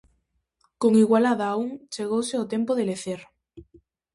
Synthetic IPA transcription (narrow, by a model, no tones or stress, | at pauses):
koŋiɣwalaðaːuŋt͡ʃeɣ̞owseot̪empoðeleθeɾ